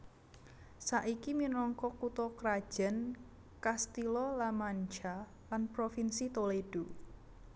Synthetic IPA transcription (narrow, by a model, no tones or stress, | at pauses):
saʔikiminɔŋkɔkut̪ɔkɾḁʒ̥ɛ̤n | kast̪ilɔlamaɲd͡ʒa | lanpɾofinsit̪oleɖ̥o